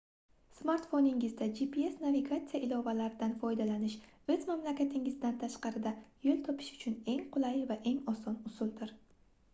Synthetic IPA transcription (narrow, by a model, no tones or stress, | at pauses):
smaɾt̪fonɪŋɪzd̪ad͡ʒipʰie̞snaviɡat̪sijaʔɪlɒvalaɾɪd̪anfɒjd̪alanɪʃ | ɵzmamlakʲat̪ʰɪŋɪzd̪ant̪ʰaʃqɑɾɪd̪ajolˠt̪ʰɒpʰɪ̥ʃʊ̥t͡ʃʰʊne̞ŋqʰʊlˠajvaʔe̞ŋɒsɒnʊsʊlˠd̪ɪɾ